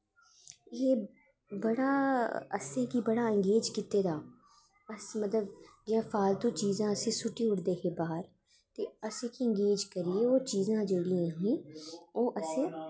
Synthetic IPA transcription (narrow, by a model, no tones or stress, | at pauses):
eː | bəɽaːə̰sẽːkibəɽaːɪ̃ŋɡeːd͡ʒkit̪eːd̪aː | əsmət̪ləbd͡ʒãːfʰaːlt̪õːt͡ʃiːzãːəsẽːsʊʈiʊɽd̪eːɦeːbaːəɾ | t̪eːəsẽːkiə̃ŋɡeːd͡ʒkəɾieoːt͡ʃiːzãːd͡ʒeːɽijãːɦẽːoːʔəsẽː